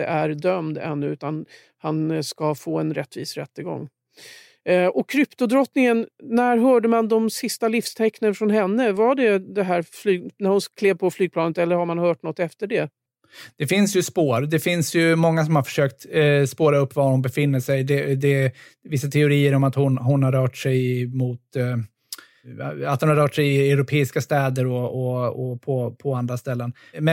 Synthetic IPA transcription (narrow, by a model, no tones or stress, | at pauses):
ə̰ʔæɾd̪œmd̪ɛ̰nːɵʉ̟ːt̪an | hanskafoːɛnɾɛt̪ːviːsɾɛ̰t̪ːəɡɔ̰ŋː | ʔɔkʰːɾʏpt̪ʊd̪ɾɔt̪nɪŋənːæɾɦœːɖəmand̪ɔmsɪst̪alɪfst̪ʰɛknənfɾɔnɦɛnːəvaɖɛd̪ɛɦæːɾflyːɡnæɾhʊnkʰleːvpʰɔflyːɡ̚plɑːnət̪ɛlːəɾhaɾmanhœːʈnɔt̪ːɛft̪əɖɛ | d̪̥ɛfɪnsjɵspoːɾd̪ɛfɪnsjɵmɔŋːasɔmhaɾfœ̥ʂøːk̚t̪spoːɾaɵpːvaɾhʊnbɛfɪnːəʂɛjd̪ɛd̪ɛvɪsːat̪ʰɛʊɾiːəɾɔmat̪hʊnɦʊnhaɾœːʈʂɛjmuːt̪ | a̰t̪hʊnhaɾœːʈʂɛjɪɛʊɾʊpʰeːɪskast̪ɛːd̪əɾɔɔɔpʰɔpʰɔand̪ɾast̪ɛlːən | mɛ